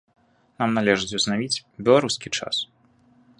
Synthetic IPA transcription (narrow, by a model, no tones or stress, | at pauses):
namnalʲɛʐɨt͡sʲuznavʲit͡sʲbʲɛlˠaɾuskʲit͡ʂa̰s